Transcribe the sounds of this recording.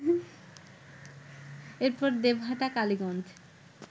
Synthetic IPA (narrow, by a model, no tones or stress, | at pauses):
eɾpɔɾd̪ebɦaʈakaliɡɔnd͡ʑ